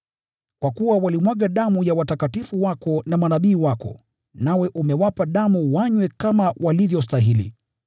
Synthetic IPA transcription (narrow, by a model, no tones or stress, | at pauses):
kwakuwawalimwaɠaɗamujawatakatifuwakɔnamanaɓiːwakɔ̰ | nawɛʔumɛwapaɗamuwaɲwɛkamawʔalivjɔs̬taɦilḭ